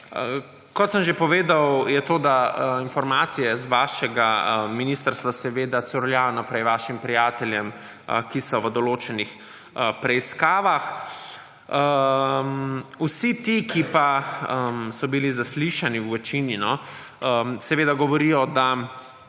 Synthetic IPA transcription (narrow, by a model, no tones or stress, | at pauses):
kɔt̪səmʒepɔʋeːd̪awjɛt̪oːd̪ainfɔɾmaːt̪sijɛzʋaːʃɛɡaminist̪əɾst̪ʋasɛʋeːd̪asɔɾljaːjɔnapɾɛjʋaːʃimpɾijaːt̪ɛljɛm | kisɔʋəd̪ɔloːt͡ʃɛnix | əpɾɛiskaːʋax | əmwsit̪ikipaəmsɔbilizasliʃaniwʋɛt͡ʃininɔ | əsɛʋeːd̪aɡɔʋɔɾijɔd̪a